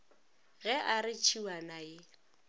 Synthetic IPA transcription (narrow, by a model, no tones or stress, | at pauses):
ɣɛʔaɾɪt͡ʃʰiwanaɪ